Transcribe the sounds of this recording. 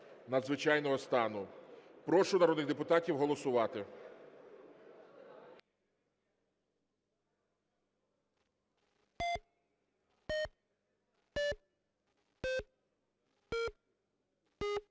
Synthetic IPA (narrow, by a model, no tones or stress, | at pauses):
nɐd̪zʋɪt͡ʃɑjnɔɦɔst̪ɑnʊpɾɔʃʊnɐɾɔd̪nɪxd̪epʊt̪ɑtʲiwɦɔlˠɔsʊʋɑt̪ɪ